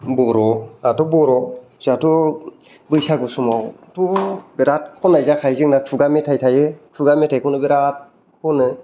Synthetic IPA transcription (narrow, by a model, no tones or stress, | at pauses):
bɔɾɔatɔbɔɾɔ | zatɔ | bɯjsaɡɯsumawtʰɔbeɾat̚kʰɔnajzakʰajzɯŋnakʰɯɡametʰajtʰajɯkʰɯɡametʰajkʰɔnɯbeɾat̚ | kʰɔnɯ